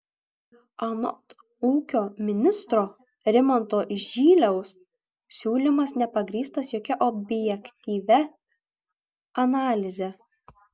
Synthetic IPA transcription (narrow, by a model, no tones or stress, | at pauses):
ɐnɔ̰t̪ | uːkʲoːmʲɪnʲɪst̪ɾoː | ɾʲɪmɔnt̪oːʒʲiːlʲɛʊs | sʲuːlʲɪmɐsnʲɛpɐɡɾʲiːst̪ɐsjoːkʲɛʔɔbʲjɛkʲt̪ʲiːʋʲɛ | ɐnɑːlʲɪzʲɛ